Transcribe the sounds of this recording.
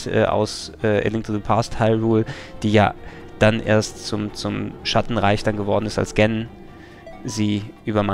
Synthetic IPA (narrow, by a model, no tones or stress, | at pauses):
ʔɛ̰ːʔa̰ʊsʔɛːʔḛlɪŋ̚tʰədupʰasthaɪʁuːld̥iːja̰ː | d̥anʔḛːɐstt͡sʊmt͡sʊmʃatn̩ʁaɪçd̥anɡəvɔɐdn̩ɪsta̰lsɡ̥ɛnn | ziːʔyːbɐma